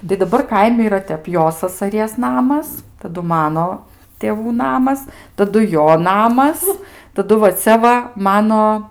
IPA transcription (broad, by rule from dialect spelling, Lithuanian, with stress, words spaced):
tɐɪ dɐˈbɐr ˈkɐɪmʲɪ iːˈrɐ ˈtʲɛp ˈjoː sɐsɐˈrʲiɛs ˈnɑːmɐs tɐˈdʊ ˈmɑːnoː tʲeːˈʋuː ˈnɑːmɐs tɐˈdʊ ˈjoː ˈnɑːmɐs tɐˈdʊ ʋɐ ˈt͡sʲɛ ʋɐ ˈmɑːnoː